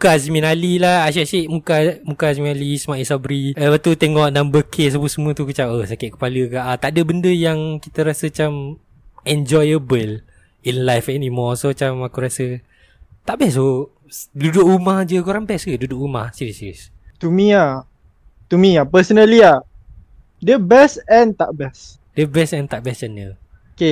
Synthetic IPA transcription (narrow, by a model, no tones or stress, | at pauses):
mukasminalilahaʃ̬aʔsiʔmukamukasminalismaʔisabɾiəbat̪ut̪eŋɔʔnambəkʰesapusəmũət̪ukət͡ʃawʔəhsakɪʔ̪̚kə̥paləkaʔat̪aʔdəbəndəjaŋkit̪əɾasəat͡ʃam | ɛnd͡ʒɔjəbəl | inlajfɛnimɔsoat͡ʃamakuɾasə | t̪aʔbɛs̬o | dudʊkumahd͡ʒəkoɾaŋbɛsɡədudʊkrumahsiɾisiɾis | t̪umĩa | t̪umĩapəsənəlia | dəbɛsɛnt̪aʔbɛs | dəbɛsɛnt̪aʔbɛst͡ʃanjə | ke